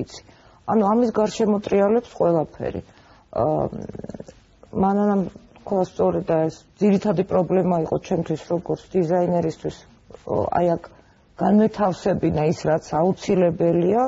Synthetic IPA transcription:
it̪sʰi̥ | anuamisɡaɾʃɛmɔt̪ʼɾialɛpsqʼwɛlˠapʰɛ̰ɾḭ | mananamt̪kʰwast̪sʼɔɾid̪aɛsd̪ziɾit̪ʰad̪ipʼɾɔblɛmaiqʼɔt͡ʃʰɛmt̪ʰwisɾɔɡɔɾt̪sʰd̪izainɛɾist̪ʰwis | a̰jakʰ | ɡ̥anvɛt̪ʰafsɛbinaisɾat̪sʰaut̪sʰilɛbɛlia

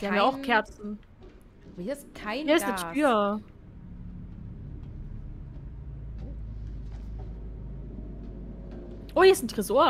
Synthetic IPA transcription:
d̥iːhamjaaʊxkʰɛɐt͡sn̩ | iɐɪsʃpyː | ʔoːhiːɐɪsn̩tʁ̥ɛzoːɐ

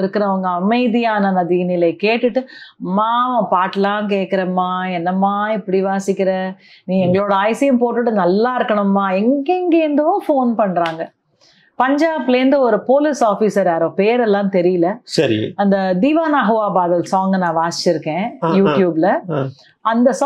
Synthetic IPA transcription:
ɪɾɯkːɯɾɐʋɐŋɡɐɐmɐɪðɪjaːnɐnɐðinɪlɐjkeːʈːɯʈːɯmaːʋɐ̃paːʈːɐlãːkeːʈkːɪɾɐmaːɛnːɐmːaːɪpːɐɽiʋaːsɪkʲːɪɾɐ | nĩːɛŋɡɐɭoːɽɐaːjsɪjʊmpoːʈːɯʈːɯnɐlːaːɪɾɯkːɐɳɯmːaːɛŋɡeŋɡeːnd̪ɐʋõːfoːnpɐɳːɾaːŋɡɐ | pɐɲd͡ʒaːpɪlɐɾɯnd̪ɯɔɾɯpoːlisaːfisɐɾɛːɾõpeːɾɛlːãːt̪ɛɾɪjɪlɐsɐɾɪ̰ɐnd̪ɐd̪iːʋaːnaɦɐʋaːbaːðɐlsaːŋɡnãːʋaːsɪ̥t͡ʃːɪɾɯkːẽːjuːʈjuːblɐ | ɐnd̪ɐs

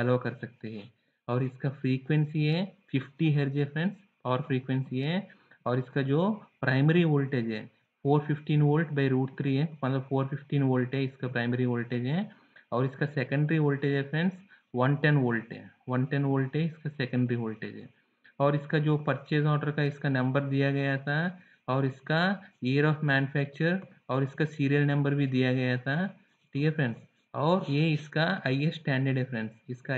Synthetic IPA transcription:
ɛlokɐɾsɐk̚t̪eɦɛ̃ː | ɔːɾɪskafɾiːkwẽnsiɦɛfɪfʈiɦɛɾd͡ʒepʰɾɛ̃ns | ɔːɾfɾiːkwẽnsiɦɛ | ɔːɾɪskad͡ʒoːpɾaːɪməɾiʋoːlʈeːd͡ʒɦɛ̰ː | foːɾpʰɪfʈiːnʋoːlʈbaɪɾuːʈt̪ʰɾiɦɛmɐt̪ləbfʰoːɾpʰɪfʈiːnʋoːlʈɦɛɪskapɾaːɪmeɾiʋoːlʈeːd͡ʒɦɛː | ɔːɾɪskaseːkə̃ɳɖɾiʋoːlʈeːd͡ʒɛfɾɛ̃ns | ʋɐnʈɛnʋoːlʈɦɛːʋɐnʈɛnʋoːlʈɦɛɪskaseːkə̃ɳɖɾiʋoːlʈḛːd͡ʒɦɛː | ɔːɾɪskad͡ʒoːpɐtːt͡ʃeːs̬ɔːʈəɾkaɪskanɐ̃mbəɾd̪ijaɡɐjat̪ʰa | ɔːɾɪskaeɾɔːfmɛːnʊfʰɛːk̚t͡ʃəɾ | ɔːɾɪskasiːɾijəlnɐ̃mbəɾbʱid̪ijaɡɐjat̪ʰa | ʈiːɡefʰɾɛ̃ɳs | ɔːɾjeɪskaaiesʈɛ̃ːɳɖeɖefʰɾɛ̃nsɪska

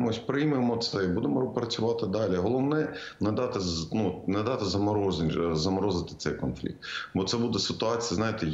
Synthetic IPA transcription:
mɔsʲpɾɪjmɪmɔt̪sɛbud̪emɔpɾɐt͡sʲʊʋɑt̪ɪd̪ɑlʲiɦɔlˠɔʋnɛ | nɐd̪ɑt̪ɪnunɛd̪ɑt̪ɪzɐmɐɾɔzezɐmɔɾɔzɪt̪ɪ̥t̪sɛjkɔnflʲḭk̚t̪bɔt̪sɛbud̪ɛsɪt̪ʊɑt͡sʲijɐznɑjɪt̪ɛ

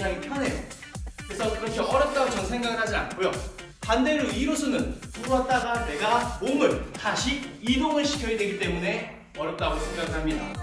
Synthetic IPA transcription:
aŋipʰjʌnɦe̞jo | kɯɾesʰʌkɯɾʌkʰeʔʌɾjʌp̚t͈aɡod͡ʑʌnnsʰe̞ŋɡaɡɯɭhad͡ʑia̰nkʰkojo | tande̞ɾoiɾos̬ʰɯnɯnpubʌt̚t͈aɡane̞ɡaoŋɯɭtaɕʰiidoŋɯɭɕʰi̥kʰjʌidwe̞ɡit͈e̞mune̞ | ʌɾʌp̚t͈aɡosʰe̞ŋɡaɡɯɭhamɲida̰

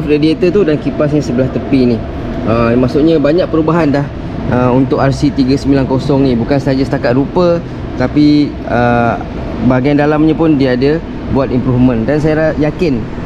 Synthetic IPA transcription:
fɾediet̪ət̪udankipasɲasəbəlaht̪əpini | əmaʔsuʔɲəbaɲaʔ̚pəɾubaɦandah | ʔəunt̪ʊk̚arsit̪iɡəsəmilankosɔŋnibukansəɦad͡ʒasət̪akat̪̚ɾupə | t̪api | ə | baɡiandalamɲãpʊndiadə | buat̪̚impɾufmə̃ndans̬ajaɾajakɪn

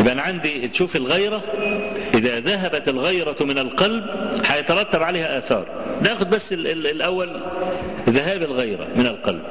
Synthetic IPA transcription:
jɪbʔænaʕand̪it̪ʃuːfɪlɣɑjɾæʔɪðæːðæɦæbæt̪ɪlɣɑjɾˤɑmɪnælqɑlbħɑjɑt̪ɑɾˤɑt̪ːɑbʕaleːhæʔaːθɑ̰ːɾˤnæːxʊd̪̚bæsːɪllʔæwːæl | ðːæɦæːbɪlɣɑjɾæ̰mɪnalqɑ̰lb̚

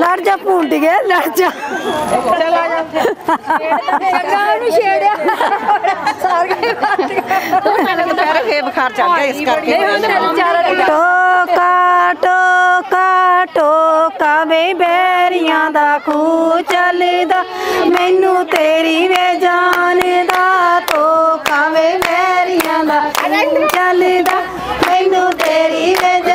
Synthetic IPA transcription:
laɽd͡ʒaːpũːɳʈiɡɛːləɽd͡ʒaː | ad͡ʒ | nːʃeːɽjaː | aɾea | t̪ːpʰɛːɾkeːbəkʰaːɾt͡ʃəaːɪkəɾkeaʈoːkaːkoːkaːʈoːkaːbeːbɛːɾɪjãːd̪aːkʰũːt͡ʃəliːd̪aːmɛːnũːt̪eːɾiːʋeːd͡ʒaːnd̪aːt̪oːkaːʋeːbɛːɾɪjãːd̪aːkʰũːt͡ʃəliːd̪aː | mɛːnũːt̪eːɾiːʋeːd͡ʒ

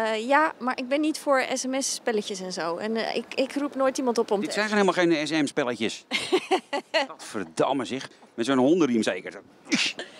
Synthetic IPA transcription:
jaːmaːɹʔɪɡ̚bɛnːitfoːɹɛ̰sɛmɛspɛləcəsɛnzowɛ̰nɪ̰kɪkrupnoːjtimɑntɔpɔmsɛjxənhelˠmalˠχejnəɛsɛmspɛləcəs | dtfərdɑ̰məzɪχmɛtsownɦɔndərimsejkərt

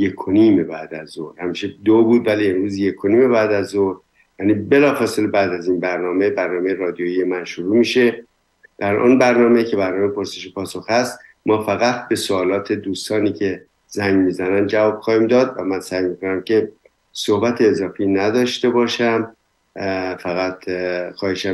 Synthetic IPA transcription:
je̞kʰoniːmebæ̰d̪æzːoɾhæmiːʃed̪obuːd̪væliːemɾuːzje̞kʰo̞niːme̞bæːd̪æzːoɾ | jæniːbe̞lɒːfɒːse̞lebæːd̪æzinbæɾnɒːme̞bæɾnɒːmejɾɒːd̪ijojijemænʃoɾuːmiːʃe̞ | d̪̥æɾʔɔ̰nbæɾnɒːme̞kcʰe̞bæɾnɒːmepʰo̞ɾseʃepʰɒːso̞xæst̪ | mɒːfæɣæt̪ʰbe̞soːlɒːt̪ʰe̞d̪uːst̪ɒːniːcʰe̞ | z̥æŋɟmiːzænænd̪d͡ʒævɒːb̥xɒːhiːmd̪ɒːd̪væmænsæjmiːkʰonæmcʰe̞ | sohbæt̪ʰeːzɒːfiːnæd̪ɒːʃt̪e̞bɒːʃæm | fæɣæt̪ʰxɒːheʃæ

